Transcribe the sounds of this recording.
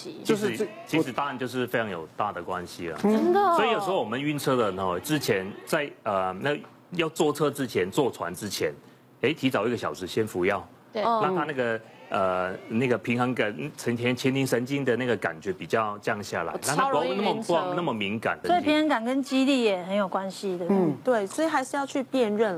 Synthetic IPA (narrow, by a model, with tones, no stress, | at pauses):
t͡ɕʰʂt͡ɕʰi˧˥ʂɻ̩˨˩t̪ɑ˥ŋa˨˦nt͡ɕjo˥˧ʊʂ̬ɻ̩˥˩fe˥ɪʈ͡ʂʰɑ˧˥ŋjo˨˩ʊt̪a˥˩d̪ə˩kwa˦nɕi˨ə̰˨˩˧əsɔ˧˥i˨jo˨ʊʂ̩ɻ̩˧˥ho˥˩wɔ˨mə˦ny˥˧nt͡sʰɤ˥d̪ə˨nɔ˧˩ʈ͡ʂɻ̩˥t͡ɕʰjɛ˧˥nt͡sa˥˩ɪə˨˩na˥˩ɡ | jɑ˥˧ʊt͡swɔ˥˧t͡sʰɤ˥ʈ͡ʂɻ̩˥t͡ɕʰjɛ˧˥nt͡swɔ˥˩t͡sʰwa̰˧˦nʈ͡ʂɻ̩˥t͡ɕʰjɛ˧˥n | e˧˥ɪt̪ʰi˧˥t͡sɑ˨˩ʊi˥ɡə˩ɕjɑ˨˩ʊʂɻ̩˧˥ɕjɛ˥nfu˧˥jɑ˥˩ʊ˧ | la˥˩ŋtʰa˦na˥˩ɡə˨ | ə˨˩na˥˩ɡə˩pʰi˧˥ŋxə˧˥ŋkə˨˩t͡sʰə˧˥ŋt̪ʰjɛ˥nt͡ɕʰjɛ˥nt̪ʰi˧˥ŋʂə˧˥nt͡ɕi˥ŋd̪ə˨na˥˩ɡə˩ka̰˨˩nt͡ɕɥɛ˧˥pi˨˩t͡ɕjɑ˥˧ʊt͡ɕjɑ˥˧ŋɕja̰˥˩la̰˧˦ɪna˥˨a˥˧wa˥˧˥wu˧˦n˥˩mə˧pna˥˩mə˨mi˧˥ŋka̰˨˩nt̪əsi˨pʰi˧˦ŋhə˧˥ŋka˨˩nkə˦˥nt͡ɕi˥li˥˩jɛ˨˩hə˧˦njo˨˩ʊkwa˦nɕi˨d̪ə˨˧˥t̪we˥˩ɪswɔ˥i˨˩xa˧ɪʂ̩˧jɑ˥˧ʊt͡ɕʰy˥˧pjɛ˥˧nɻə˥˩n